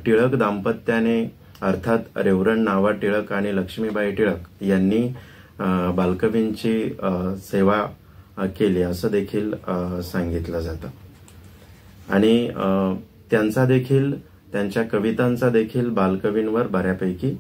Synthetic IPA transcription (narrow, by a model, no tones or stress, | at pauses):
ʈiɭəkd̪ampət̪ːjane | əɾt̪ʰat̪ɾeʋɾəɳːaʋaʈiɭəkaɽ̃iləkʂmiːbaiʈiɭəkjanːiː | balkəʋint͡ɕiːseʋa | keliːəsəːd̪ekʰiːlsaŋɡit̪ləd͡zat̪ə | aɽ̃i | t̪jant͡sad̪ekʰiːl | t̪jaɲt͡ɕjakəʋit̪ant͡sad̪ekʰiːlbalkəʋinʋəɾbaɾjapəjkiː